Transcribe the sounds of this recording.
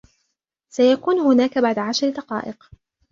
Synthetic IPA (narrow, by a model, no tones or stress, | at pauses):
sajakuːnɦʊnaːkabaʕd̪aʕaʃɾd̪ɑqɑ̰ːʔɪq